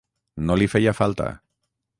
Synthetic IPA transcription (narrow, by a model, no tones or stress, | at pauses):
nolifejafalˠt̪a̰